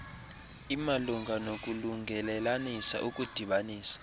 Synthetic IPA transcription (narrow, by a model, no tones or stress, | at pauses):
imaluŋʱanok̬ʼuluŋʱɛlɛlanisa̰ʔukʼud̥ʱiɓaniːsḁ